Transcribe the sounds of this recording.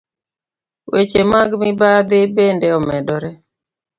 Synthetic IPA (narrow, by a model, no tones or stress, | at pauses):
wet͡ʃemaɡmɪbad̪ɪbendeɔmɛdɔɾɛ